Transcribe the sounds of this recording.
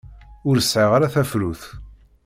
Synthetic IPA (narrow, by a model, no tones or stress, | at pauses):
ʊɾəsʕiʁaɾaθæfɾuθ